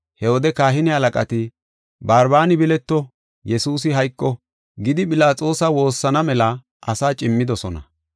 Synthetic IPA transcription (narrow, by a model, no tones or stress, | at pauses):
hɛwɔd̪ɛkaːɦɪnɪhɐlɐkʼɐt̪ɪ | baːɾbaːnɪbɪlɛt̪ːɔ | jɛsuːs̬ɪɦɐjkʼːɔ | ɡɪd̪ɪpʼɪlaːt͡sʼoːsɐwo̞ːsːɐnɐmɛlɐ | ʔɐsaːt͡ʃʼɪmːɪd̪ɔsɔnɐ̰